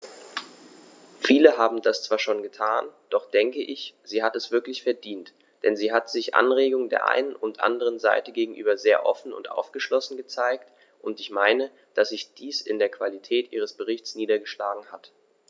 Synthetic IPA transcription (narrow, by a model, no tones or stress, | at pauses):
fiːləɦaːbm̩dast͡sv̥aːɐʃoːnɡətʰaːnd̥ɔχd̥ɛŋkəʔɪçz̥iːɦatɛsv̥ɪɐklɪçfɛɐdiːnt | d̥ɛnziːɦatz̥ɪçʔa̰nʁeːɡʊŋdeːɐʔa̰ɪnənʊntʔa̰ndəʁ̞ənza̰ɪtəɡeːɡŋ̩ʔy̰ːbɐzeːɐʔɔ̰fn̩ʊ̰ntʔa̰ʊfɡ̥əʃlɔsn̩ɡət͡saɪkt | ʔʊntɪçmaɪnə | d̥asz̥ɪçd̥iːsɪ̰ndeːɐkv̥alitʰɛːtʔḭːʁ̞əsb̥əʁɪçt͡sniːdɐɡəʃlaːɡŋ̩hat